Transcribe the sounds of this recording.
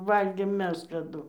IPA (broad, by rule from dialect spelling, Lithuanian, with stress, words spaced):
ˈʋɐlʲɡʲeːm ˈmʲɛs kɐˈdʊ